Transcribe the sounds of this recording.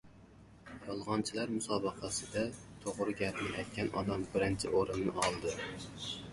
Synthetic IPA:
jɑlˠʁɑnt͡ʃʰilæɾmusɑːbɨqʰɑsɨd̪ɛt̪ʰoʁɾɨɡʲæpnɪʔɛjt̪̚kʲʰɛnɑd̪ɑmbɪɾɪnt͡ʃʰɪ̰ʔoɾɪnːɪɑlˠd̪ɨ

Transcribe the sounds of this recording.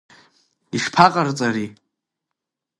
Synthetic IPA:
iʂpʰaqʼart͡sʼaɾi

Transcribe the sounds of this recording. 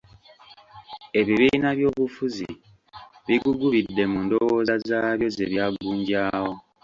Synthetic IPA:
e̞βiβiːnaβjo̞ːβufuzḭ | βiɡuɡuβidːe̞mundowozazaːβjo̞ze̞βjaːɡuːɲɟaːwo̞

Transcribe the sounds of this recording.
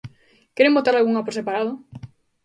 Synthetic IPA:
kɛɾembot̪aɾalɣuŋapoɾsepaɾað̞ʊ

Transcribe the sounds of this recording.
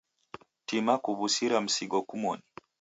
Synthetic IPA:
timakuβusiɾam̩siɡɔkumɔni

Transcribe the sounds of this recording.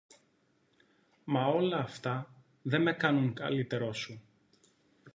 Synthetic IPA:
mɐo̞lɐːft̪ɐ | ðe̞me̞kɐnuŋkɐ̰lit̪e̞ɾo̞su

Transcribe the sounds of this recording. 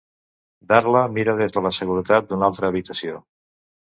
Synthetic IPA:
d̪aɾləmiɾəð̞ezðələsəɣuɾət̪at̪̚d̪unalˠt̪ɾəːβ̞it̪əsio

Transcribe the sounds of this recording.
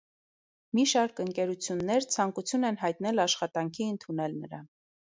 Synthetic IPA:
miʃɑɾkəŋkɛɾut͡sʰjunːɛɾt͡sʰɑŋkut͡sʰjunɛnɦɑjt̪nɛlɑʃχɑt̪ɑŋkʰiənt̪ʰunɛlnəɾɑ̰n

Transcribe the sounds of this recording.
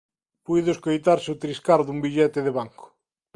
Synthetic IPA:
pujðʊeskojt̪aɾseʊt̪ɾiskaɾðumbiʎɛt̪ɪðɪβaŋkʊ̥

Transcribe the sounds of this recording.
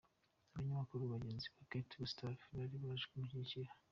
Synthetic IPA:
aβaɲamakuɾuβaɟenziβaketɡustafβaɾiβaʒekumuhiciha

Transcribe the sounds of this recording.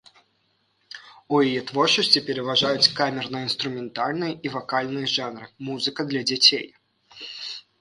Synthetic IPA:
ujijɛt̪vɔrt͡ʂɨsʲt͡sʲipʲɪɾʲɛvaʐajʊt͡sʲkamʲɛrnɐjəinst̪ɾʊmʲɛnt̪alʲnɨjɐʔivakalʲnɨjɐʐanɾɨmuzɨkɐd̪lʲɐd͡zʲat͡sʲej

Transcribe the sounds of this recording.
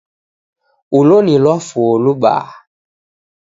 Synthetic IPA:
ulonĩlɔfoluɓa̰ː

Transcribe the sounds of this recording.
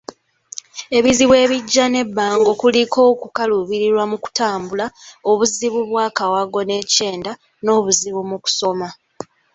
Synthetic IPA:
e̞βiziβwe̞ːβiɟːane̞bːaːŋɡokuliko̞ːkukaluβiɾiɾwamuku̥taːmbulao̞βuziβuβwaːkawaɡo̞ne̞ce̞ːnda | no̞ːβuziβumuku̥so̞ma

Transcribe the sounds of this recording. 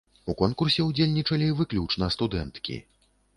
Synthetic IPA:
ukɔnkursʲɛud͡zʲelʲnʲit͡ʂɐlʲivɨklʲut͡ʂnɐst̪ud̪ɛnt̪kʲḭ

